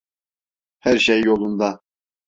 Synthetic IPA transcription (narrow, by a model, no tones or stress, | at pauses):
hæɾʃɛjːolˠund̪ɑ